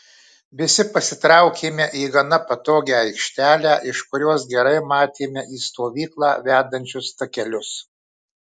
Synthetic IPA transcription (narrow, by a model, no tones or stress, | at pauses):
ʋʲɪsʲɪpɐsʲɪt̪ɾɑʊkʲeːmʲɛʔiːɡɐnɐpɐt̪oːɡʲɛːɐɪkʃʲt̪ʲæːlʲæːʔɪʃkʊɾʲuɔs̬ɡʲɛɾɐɪmɑːt̪ʲeːmʲɛʔiːst̪oːʋʲiːklˠɑ̰ːʋʲæːd̪ɐnʲt͡ʃʲʊst̪ɐkʲɛlʲʊs